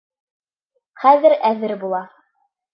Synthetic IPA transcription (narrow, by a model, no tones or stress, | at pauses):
χæðɘɾæðɘɾbulˠɑ